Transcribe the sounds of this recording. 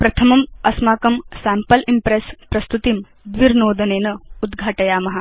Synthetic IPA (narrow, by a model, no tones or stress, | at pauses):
pɾɐt̪ʰɐmɐmɐsmaːkɐmsɛːmpɐlimpɾespɾɐst̪ut̪im | d̪ʋiɾnoːd̪ɐneːnɐud̪ɡʱaːʈɐjaːmɐɦɐ